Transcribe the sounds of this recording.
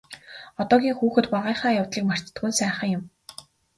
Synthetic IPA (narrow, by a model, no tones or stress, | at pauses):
ɔt̪ɔːɣʲiːŋxuːxɘ̆t̪paʁiːχaːjawt̪ɮiːkmar̥t͡ɕt̪ɡuːnsæːχə̆ŋjʊm